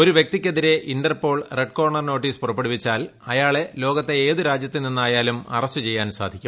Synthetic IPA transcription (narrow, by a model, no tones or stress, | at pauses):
o̞ɾuʋjek̚t̪ikʲːeðiɾe̞ʔinɖɐrpo̞ːɭreɖ̚ko̞ːrɳɐrno̞ːʈːiːspurɐpːeɽupit͡ɕːaːlɐjaːɭe̞lo̞ːɡɐt̪ːe̞eːðɨɾaːd͡ʑjɐt̪ːininːaːjaːlumɐ̰rɐɕt͡ɕːut͡ɕe̞jːaːnsaːd̪ʱikʲːum